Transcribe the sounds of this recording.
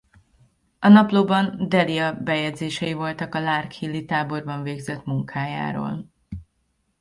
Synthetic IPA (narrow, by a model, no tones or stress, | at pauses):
ɒnɒploːbɒnd̪ɛliɒbɛjɛd̪zeːʃɛjivo̞lt̪ɒkɒlaːrkhilːit̪aːbo̞rbɒɱveːɡzɛt̪muŋkʰaːja̰ːɾo̰ːl